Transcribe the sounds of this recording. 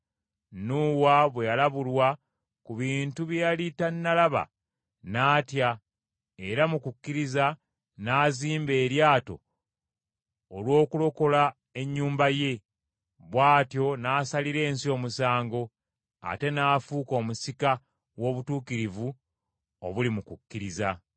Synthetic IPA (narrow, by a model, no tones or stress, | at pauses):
nuwaβwejalaβulwa | kuβiːntuβjejalitanːalaβa̰ | naːtja | e̞ɾamukukːiɾiza | naːziːmbe̞ːɾjaːto̞̰ | lwo̞ːkulo̞ko̞la | e̞ɲːuːmbaje̞ | βwaːtjo̞naːsaliɾe̞ːnsio̞ːmusaːŋɡo̞ | a̰te̞naːfuːko̞ːmusika | wo̞ːβutuːkiɾivu | oβulimukukːiɾiza